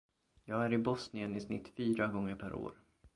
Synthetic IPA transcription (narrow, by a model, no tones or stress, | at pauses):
jɑːɡæɾɪbɔsnɪənɪsnɪ̰t̪ːfyːɾaɡɔŋːəɾpʰæɾʔo̰ːɾ